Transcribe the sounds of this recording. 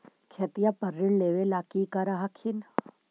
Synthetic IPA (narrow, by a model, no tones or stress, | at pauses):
kʰet̪ijapəɾːɪɽleːʋelaːkikaɾaɦakʰin